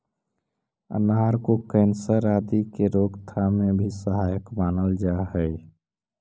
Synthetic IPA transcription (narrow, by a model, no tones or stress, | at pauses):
ə̰nɦaɾkokɛ̃ːnsəɾaːd̪ikeɾoːɡt̪ʰamẽbʱisəɦaːjəkmaːnəld͡ʒaɦɛɪ